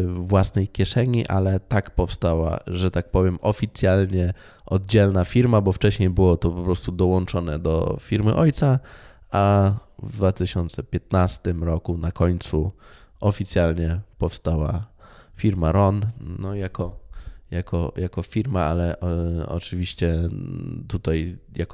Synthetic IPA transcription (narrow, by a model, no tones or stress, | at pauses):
vwasnɛjkʲjɛʂɛɲiʔa̰lɛt̪akpɔfst̪awa̰ʐɛt̪ak̚pɔvʲjɛmʔɔfʲit̪sʲjalɲɛ | ʔɔd̪̚d͡ʑɛlnafʲiɾmabɔft͡ʂɛɕɲejbɘwɔt̪ɔpɔpɾɔst̪ud̪ɔwɔnt͡ʂɔnɛd̪ɔ̰fʲiɾmɘ̰ʔɔjt̪sa | avd̪vat̪ɘɕɔnt̪sɛpʲjɛt̪nast̪ɘmɾɔkunakɔɲt̪su | ɔfʲit̪sʲjalɲɛpɔfst̪awafʲiɾmaɾɔnnɔjakɔjakɔjʔakɔfʲiɾmaalɛʔɔ̰t͡ʂɘvʲiɕt͡ɕɛ | t̪ut̪ajjak